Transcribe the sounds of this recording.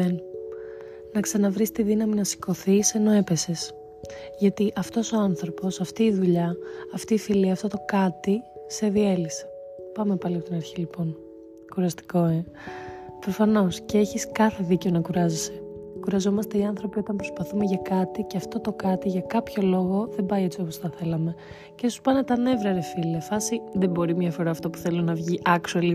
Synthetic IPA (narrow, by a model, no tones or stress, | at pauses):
en | nɐksɐnɐvɾist̪iðinɐminɐsi̥ko̞θise̞no̞e̞pe̞se̞s | ʝɐt̪iʔɐft̪o̞so̞ɐnθɾo̞po̞sɐft̪iːðuʎɐɐft̪iːfiliɐft̪o̞t̪o̞kɐt̪ise̞ðie̞lise̥ | pɐme̞pɐliɐpot̪inɐɾçilipo̞n | kuɾɐst̪i̥ko̞e | pɾo̞fɐno̞sceeçiskɐθe̞ðiceo̞nɐkuɾɐzese̞kuɾɐzo̞mɐst̪e̞iɐnθɾo̞pio̞t̪ɐmpɾo̞spɐθume̞ʝɐkɐt̪iceɐft̪o̞t̪o̞kɐt̪iʝɐkɐpço̞lo̞ɣo̞ðebɐiet͡sio̞posθɐθe̞lɐme̞ | cesu̥pɐnet̪ɐne̞vɾɐɾefiliɐfɐsiðe̞bo̞ɾimɲɐfo̞ɾɐːft̪opu̥θe̞lonɐvʝiʔɐksueli